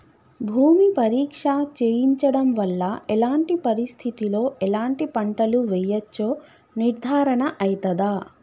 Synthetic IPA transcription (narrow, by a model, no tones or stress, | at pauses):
bʱuːmipɐɾiːkʂaːt͡ʃeːjiɲt͡ʃɐɽɐmʋɐlːɐɛlaːɳʈipɐɾist̪ʰit̪ilo̞ːʔɛlaːɳʈipɐɳʈɐluʋɛjɐt͡ʃːoː | niɾd̪ʱaːɾɐɳɐʔɐjt̪ɐd̪aː